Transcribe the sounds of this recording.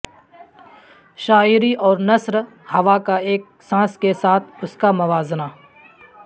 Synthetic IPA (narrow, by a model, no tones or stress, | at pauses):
ʃaːɪɾiʔɔːɾnɐsɾ | hɐʋakaeːk̚ | sãːskesaːt̪ʰʊskamʊʋaːzna